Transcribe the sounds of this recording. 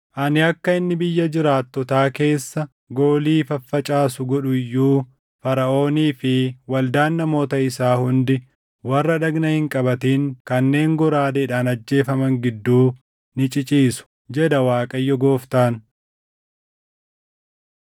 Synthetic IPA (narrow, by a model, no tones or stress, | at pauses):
ʔɐnɪɐkːɐɪnːɪbɪjːɐd͡ʒɪɾaːt̪ːɔt̪aːke̞ːsːɐ | ɡo̞ːliːfɐfːɐt͡ʃʼaːsʊɡɔᶑʊjːuː | fɐɾɐʔo̞ːniːfɪwɐld̪aːnːɐmo̞ːt̪ɐɪsaːhʊnd̪ɪ | wɐrːɐᶑɐɡnɐhɪŋkʼɐbɐt̪iːŋkɐnːe̞ːŋɡɔɾaːd̪ɐɪᶑaːnɐd͡ʒːe̞ːfɐmɐŋɡɪd̪ːuː | nɪt͡ʃʼɪt͡ʃʼiːsʊ̥ | d͡ʒɛᶑ̪ɐwaːkʼɐjːɔɡo̞ːft̪aːn